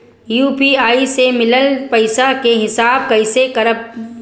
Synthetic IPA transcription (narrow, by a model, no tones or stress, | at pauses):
juːpiaːisemɪləlpɐɪsakeɦɪsaːb̚kɐɪsekɐɾəp̚